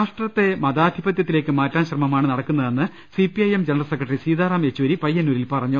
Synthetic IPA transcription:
aːʂʈrɐt̪ːe̞mɐðaːd̪ʱibɐt̪̬jɐt̪ːile̞ːkːɨmaːtːaːnɕrɐmɐmaːɳɨnɐɽɐkːunːɐðe̞nːɨ | sipiɐjemd͡ʑenɐrɐlsekrɐʈɐrisiːðaːraːme̞t͡ɕːuʋɐɾipɐjːɐnːuːɾilpɐrɐɲːu

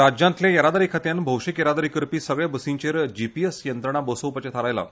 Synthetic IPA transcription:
ɾad͡ʑjãnt̪ljajəɾad̪aɾikʰat̪janbʱəwʂikjəɾad̪aɾikəɾpiːsəɡɭjabəsiɲt͡ɕeɾd͡ʑipiesjənt̪ɾəɳ̃abosəwpat͡ɕat̪ʰaɾajla̰

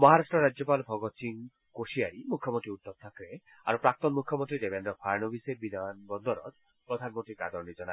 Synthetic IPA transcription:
mɔɦaɾaʃʈɾɔɾad͡ʒjɔpalbʱɔɡɔt͡ʃiŋ | koʃiaɾimukʰjɔmont̪ɾiut̪ːɔb̚t̪ʰakɾe | a̰ɾupɾak̚t̪ɔnmukʰːjɔmõnt̪ɾidebenɾɔpʰaɾnobisebid̪ʱanbɔnd̪ʱɔɾɔ̰t̪ | pɾɔd̪ʱanmõt̪ikad̪ɔɾnid͡ʒɔna

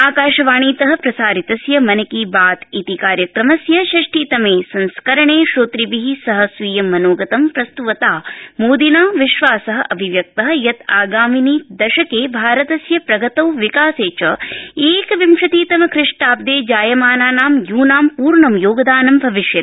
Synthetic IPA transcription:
aːkaːʃɐʋaːɳiːt̪ɐɦɐ̆pɾɐsaːɾit̪ɐsjɐmɐnɐkiːbaːt̪it̪ikaːɾjɐkɾɐmɐsjɐʃɐʂʈiːt̪ɐmeːsɐnskɐɾɐɳeːʃoːt̪ɾibiɦisɐɦɐ̆sʋiːjɐmːɐnoːɡɐt̪ɐmpɾɐst̪uʋɐt̪aːmoːd̪inaːmʋiʃʋaːsɐɦɐʔɐbʱiʋjɐk̚t̪ɐɦɐ̆jɐt̪aːɡaːminiːd̪ɐʃɐkeːbʱaːɾɐt̪ɐsjɐpɾɐɡɐt̪ɐwʋikaːseːt͡ʃɐeːkɐʋimʂɐt̪iːt̪ɐmɐkɾɪʂʈaːp̚d̪eːd͡ʒaːjɐmaːnaːnaːmjuːnaːmpuːɾɳɐmjoːɡɐd̪aːnɐmbʱɐʋiʂjɐt̪

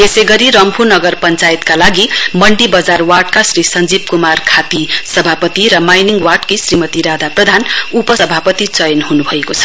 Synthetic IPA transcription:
esejɡʌɾiɾʌmpʰunʌɡʌrpʌnt͡sajet̪kalaɡimʌɳɖibʌd͡zarwaʈkasrisʌnd͡zib̚kumarkʰat̪isʌbʱapʌt̪iɾʌmajniŋɡwaʈkisrimʌt̪iɾad̪ʱaprʌd̪ʱanupʌsʌbʱapʌt̪it͡sʌjʌnɦunubʱʌekot͡sʰʌ̥

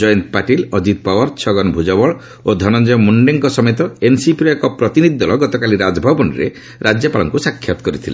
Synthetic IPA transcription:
d͡ʒɔjɔnt̪paʈilɔd͡ʒit̪̚pawɔɾt͡ʃʰɔɡɔnbʱud͡ʒɔbɔɭ | od̪ʱɔnɔnd͡ʒɔmuɳɖeŋkɔsɔmet̪ɔensipɾɔekɔpɾɔt̪inid̪ʱid̪ɔlɔɡɔt̪ɔkaliɾad͡ʒɔbʱabɔnḭɾḛ | ɾad͡ʒjɔpaɭɔ̰ŋkusakʰːjat̪ɔ̥kɔɾit̪ʰilḛn

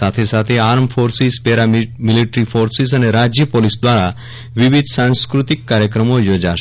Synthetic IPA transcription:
at̪ʰesat̪ʰeaɾmfoɾsizpɛɾamiliʈɾifoɾsizəneɾad͡ʒjəpolisd̪ʋaɾa | ʋiʋid̪ʱsãnskɾut̪ikːaɾjəkɾəmojod͡ʒaʃ

